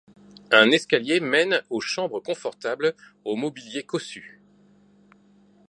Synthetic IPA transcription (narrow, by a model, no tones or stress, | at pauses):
ɛ̃nɛskaljemɛnoʃɑ̃bʁəkɔ̃fɔʁt̪abl | omɔbiljekɔsy